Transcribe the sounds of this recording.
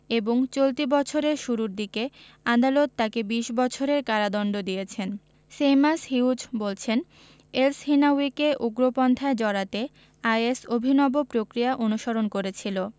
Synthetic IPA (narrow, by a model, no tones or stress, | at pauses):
eboŋt͡ɕolt̪ibɔt͡ɕʰoɾeɾʃuɾuɾd̪ike | ad̪alot̪ːakebiʃbɔt͡ɕʰoɾeɾkaɾad̪ɔnɖod̪ijet͡ɕʰen | semasɦiud͡ʑbolt͡ɕʰen | elshinawikeʔuɡɾopɔnt̪ʰaed͡ʑɔɾat̪e | ajesobʱinɔbopɾokɾijaʔonuʃoɾonkoɾet͡ɕʰilo